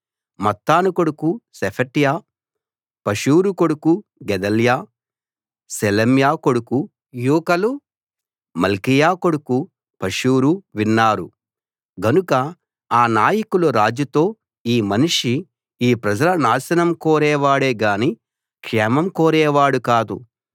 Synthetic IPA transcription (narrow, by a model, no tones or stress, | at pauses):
mɐt̪ːaːnuko̞ɽukusepʰɐʈjaː | pɐʂuːɾuko̞ɽukuɡɛd̪ɐljaː | selɐmjaːko̞ɽuku | juːkɐlu | mɐlkijaːko̞ɽuku | pɐʂuːɾuʋinːaːɾu | ɡɐnukɐ | aːnaːjɐkuluɾaːd͡ʒut̪o̞ː | iːmɐniʂi | iːpɾɐd͡ʒɐlɐnaːsɐnɐmkoːɾɛːʋaːɽeːɡaːniː | kʂɛːmɐmkoːɾɛːʋaːɽukaːd̪ṵ